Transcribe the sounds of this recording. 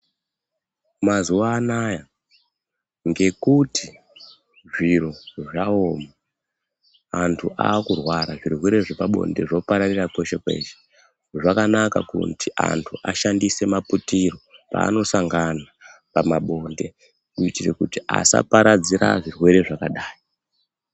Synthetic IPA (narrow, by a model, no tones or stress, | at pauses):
mazuwaːnaja | ŋɡe̞kutʰi | ʐiɾoʐaoma | antʰuʔa̰ːkurwaɾaʐirwe̞ɾe̞ʐipaɓo̞̰nde̞ʐo̞paɾarirako̞ʃekwe̞̰ʃe̥ | ʐakanakakṵntiʔa̰ntʰuʔaʃandise̞maputiro̞pa̰ːno̞saŋɡana | pamaɓo̞nde̞ | uitirḛkutiʔa̰sa̰paɾad͡ziɾa̰ʐirwe̞ɾe̞ʐakaɗaːi